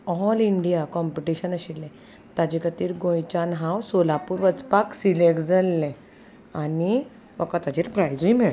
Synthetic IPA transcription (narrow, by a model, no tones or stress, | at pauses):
ɔliɳɖijakɔmpiʈiɕənəɕilːẽ | t̪ad͡ʑikət̪iːɾɡojt͡ɕanɦãwsolapuːɾʋət͡spaksilekd͡zəlːɛ̃ | ani | ʋəkat̪ad͡ʑiɾpɾajd͡zuimeɭ